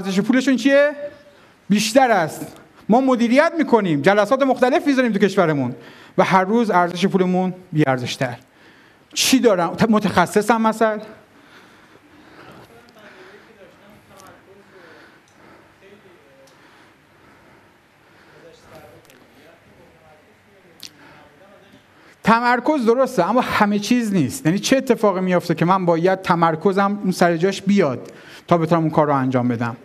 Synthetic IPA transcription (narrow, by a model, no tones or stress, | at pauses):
æɾzeʃ̬epʰuːle̞ʃuːnt͡ʃʰie | biːʃt̪æɾæst̪ | mɒːmo̞d̪iːɾijæt̪miːkʰo̞niːmd͡ʒælæsɒːt̪e̞mo̞xt̪æle̞fmizɒɾiːmt̪ukʲʰe̞ʃvæɾemun | væhæɾːuːzæɾzeʃ̬e̞pʰuːle̞munbiːæɾze̞ʃt̪ʰæɾ | t͡ʃʰiːd̪ɒːɾæmot̪ʰexæsːe̞sæmmæsæl | t̪ʰæmæɾkʰo̞zd̪o̞ɾost̪eæmːɒːhæme̞t͡ʃʰiːzniːst̪jæniːt͡ʃʰe̞ːt̪ʰːe̞fɒːɣimijo̞ft̪ecʰe̞mænbɒːjæd̪̥̚t̪ʰæmæɾkʰo̞zæmunsæɾe̞d͡ʒɒːʃbijɒːd̪̥ | t̪ʰːɒːbet̪ʰonæmunkʰɒːɾːʊænd͡ʒɒːmbe̞d̪æm